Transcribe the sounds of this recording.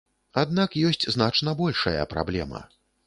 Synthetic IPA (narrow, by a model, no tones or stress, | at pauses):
ad̪̚nakjɔsʲt͡sʲznat͡ʂnɐbɔlʲʂɐ̰jɐ̰pɾa̰blʲɛ̰mɐ̰